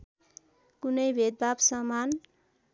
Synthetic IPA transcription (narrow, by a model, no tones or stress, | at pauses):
kunʌjbʱed̪̚babsʌman